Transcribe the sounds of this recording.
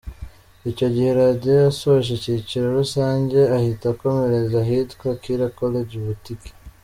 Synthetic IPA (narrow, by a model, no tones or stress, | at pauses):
ico̞ɟihe̞ɾaːdiojasoʃ̬eciciɾeɾusaːɲɟe̞ahitako̞me̞ɾe̞zaɦitkwakiɾakoleɟiβutiki̥